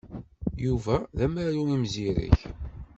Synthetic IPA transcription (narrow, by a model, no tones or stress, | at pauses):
juvæðæmɾæjumimziɾə̰ç